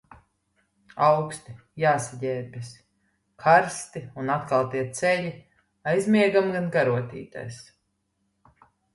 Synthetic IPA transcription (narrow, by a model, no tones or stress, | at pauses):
awkst̪i | jaːsaɟɛːɾbʲis | kʰaɾst̪iunat̪kalˠt̪iɛt̪sɛʎʲi | ajzmʲiɛɡamɡanɡaɾuɔt̪ʲḭːt̪a̰js